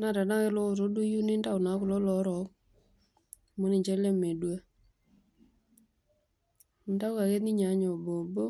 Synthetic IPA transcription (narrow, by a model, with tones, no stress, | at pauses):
na˦˨da˨na˦ke˦lɔ˦ʊ˨t̬o˦du˦ju˦nɪ˦nda˦ʊ˨na˨˦kʊ˨lɔ˦lɔ˨˦ɾɔ˨˦k | mo˦nɪ˨ɲt͡ʃɛ˦le˦me˨dwa˦˨ | nta˦ʊ˦ka˨ke˦tni˦ɲa˨˦ɲɔ˨bo˨bo˦